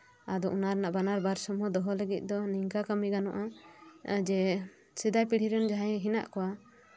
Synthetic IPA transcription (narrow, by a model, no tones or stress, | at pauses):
ad̪ɔʔunaɾɛnaʔbanaɾbaɾsɔmɔd̪ɔɦɔləɡit̪̚ˀd̪ɔniŋkakamiɡanɔ̰ʔa | d͡ʒɛ | sid̪ajpiɽiɾɛnd͡ʒaɦajɛɦina̰ʔkɔwa